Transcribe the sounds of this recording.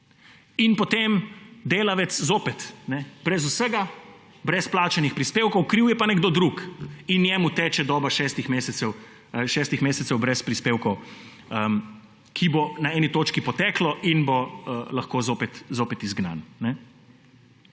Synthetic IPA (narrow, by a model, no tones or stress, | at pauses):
inpɔt̪emd̪eːlaʋɛt̪szoːpɛt̪nɛb̥ɾɛzusəɡa | bɾɛsplaːt͡ʃɛnixpɾispeːwkɔwkɾiwjɛpanɛɡd̪oːd̪ɾukinjɛmut̪ɛːt͡ʃɛd̪ɔːbaʃɛːst̪ixmeːsɛt̪sɛw | ʃɛːst̪ixmeːsɛt̪sɛwbɾɛspɾispeːwkɔw | əm | kʰibonaɛːnit̪oːt͡ʃkipɔt̪ɛːklɔʔinboəlɐxkoːzoːpɛt̪zoːpɛt̪izɡna̰nnɛ